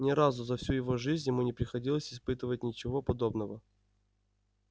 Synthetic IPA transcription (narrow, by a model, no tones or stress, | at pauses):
nʲɪɾazʊzɐfsʲujɪvoʐɨzʲnʲjɪmunʲɪpɾʲɪxɐdʲilˠəsʲɪspɨt̪əvətʲnʲɪt͡ɕɪvo̞pɐd̪o̞bnəvə